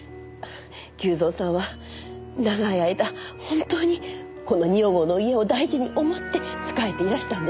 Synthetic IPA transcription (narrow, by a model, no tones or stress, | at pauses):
kʲɨːzo̞ːsãɰ̃βa | naɡaiaid̪ahõ̞nt̪o̞ːɲ̟i | ko̞no̞ɲ̟ioɡo̞no̞ie̞o̞d̪aiʑiɲ̟iʔo̞mo̞t̪ːe̞t͡sɨ̥kae̞t̪e̞iɾaɕi̥t̪ãnd̪e